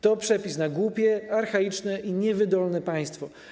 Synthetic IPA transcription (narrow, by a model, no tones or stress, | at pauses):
t̪ɔpʂɛpʲisnaɡwupʲjɛaɾxait͡ʂnɛʔiɲɛvɘd̪ɔlnɛpãj̃st̪fɔ